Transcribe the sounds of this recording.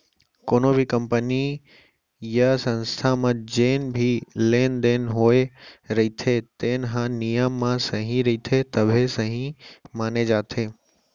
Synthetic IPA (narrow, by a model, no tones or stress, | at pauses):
koːnobʱikɐmpəni | jasɐ̃nst̪ʰamãd͡ʑeːnbʱileːnd̪eːnɦoːeɾɐɦit̪ʰet̪ẽːnɦãnijəmːãsɐɦĩɾɐɦit̪ʰet̪ɐbʱesɐɦĩmaːned͡ʒaːt̪ʰeː